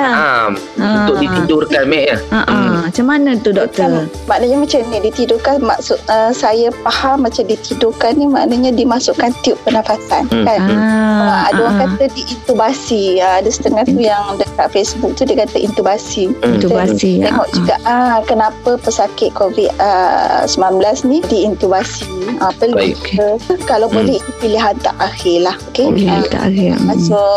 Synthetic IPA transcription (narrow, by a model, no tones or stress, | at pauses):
aəm | unt̪ʊk̚dit̪idʊrkanmɛʔjaʔamat͡ʃamːanət̪udɔk̚t̪ə | maʔnəɲamat͡ʃamɲadit̪idʊrkanma̰ʔsʊt̪̚əsajapahamːat͡ʃamdit̪idʊkanːima̰ʔnəɲadimasʊʔkant̪iʊp̚ːənafat̪ankanəadəwaŋkat̪adiʔint̪ubasiəadasə̥t̪əŋaht̪ujaŋdəkaʔ̪̚fesbuk̚t̪udiəkat̪aʔḭnt̪ubasit̪uasieŋɔʔd͡ʒuɡaʔəkənapəpəsakɪʔ̪̚kovit̪əsəmlanblasnidiːnt̪ubasiəpələkalawbolɛhit̪upiliɦant̪a̰ʔaxɪlahokeat̪a̰ʔaiasʊʔ